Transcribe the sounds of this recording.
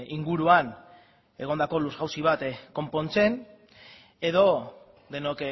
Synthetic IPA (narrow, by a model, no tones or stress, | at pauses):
iŋɡuɾuan | e̞ɣ̞o̞nd̪ako̞luzɣawsiβ̞at̪ko̞mpo̞nt͡se̞n | e̞ðo̞ | d̪e̞nok